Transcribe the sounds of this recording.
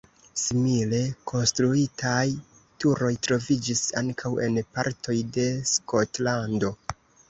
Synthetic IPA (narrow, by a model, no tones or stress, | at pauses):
simile̞kʰo̞nstɾuitʰaj | tuɾo̞jtɾo̞vid͡ʒisa̰ŋkʰawʔe̞npa̰ɾtʰo̞jde̞sko̞tlando̞